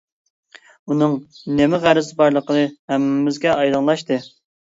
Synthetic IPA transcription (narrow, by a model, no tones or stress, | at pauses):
unɨŋnemɪʁæɾɪzɨbɑɾlˠəqʰənɨhɛmːɪzɡʲɛʔɑjlˠɑnlˠɑʃt̪ɨ